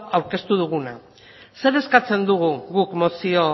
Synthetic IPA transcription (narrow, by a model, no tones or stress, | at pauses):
awɾke̞st̪uð̞uɣ̞una̰ | se̞ɾe̞skat͡se̞nd̪uɣ̞uɣukmo̞sio̞